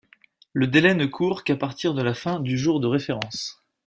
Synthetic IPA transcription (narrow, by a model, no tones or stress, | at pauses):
ləd̪elɛnəkʰuʁkapaʁt̪iʁd̪əlafɛ̃d̪yʒuʁd̪əʁefeʁɑ̃s